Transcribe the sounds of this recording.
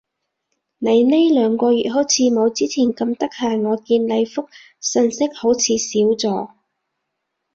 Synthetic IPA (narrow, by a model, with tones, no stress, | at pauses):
ne˨˧jne˥jlœː˨˥ŋkʷɔː˧jyː˨t̚ɦo˨˥wt͡sʰiː˨˧mo˨˧wt͡siː˥t͡sʰiː˨˩nkɐ˧mt̪ɐ˥k̚hɐː˨jŋɔː˨˧kiː˧nle˨˧jfʊ˥k̚ | sɵ˧nsɪ˥k̚ho˨˥wt͡sʰiː˨˧siː˨˥wt͡sɔː˨˧